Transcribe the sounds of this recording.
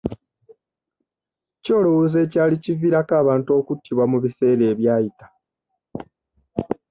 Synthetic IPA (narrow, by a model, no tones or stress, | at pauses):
co̞ːlowuze̞ːcaːliciviɾakaːβaːntuo̞ːkutʰːiβwamuβise̞ːɾe̞ːβjaːjitḁ